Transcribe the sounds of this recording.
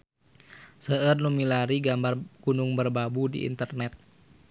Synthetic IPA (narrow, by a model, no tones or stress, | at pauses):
səərnumilaɾiɡambarkunuŋbərbabudḭʔḭnt̪ərnɛt̪̚